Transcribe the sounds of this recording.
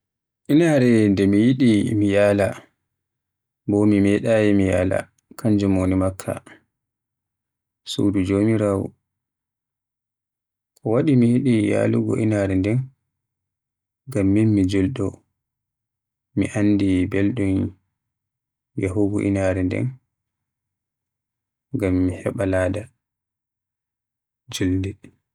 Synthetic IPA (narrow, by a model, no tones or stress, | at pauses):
ʔinaɾɛndɛmijiɗimijaːla | bɔmimɛɗajimijaːla̰ | kʰaɲd͡ʒumoːnimakʰːa̰ | sṵdud͡ʒoːmiɾaːwṵ | kɔwaɗimijiɗija̰ːluɡɔ̰ʔinaːɾɛndɛn | ɡamːinmid͡ʒulɗɔ | mḭʔanːdibɛlɗun | jaɦuɡɔ̰ʔḭnaːɾɛndɛ̰n | ɡamːihɛɓalaːda | d͡ʒuldi